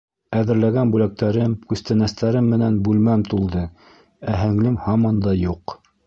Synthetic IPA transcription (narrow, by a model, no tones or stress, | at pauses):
æðɘ̆ɾlæɡænbʉlæk̚t̪æɾɘmkʉst̪ænæst̪æɾɘmːɘ̆nænbʉlmæmt̪ulˠd̪ɤ | æɦɘ̆ŋlɘmhɑmɑnd̪ɑjuq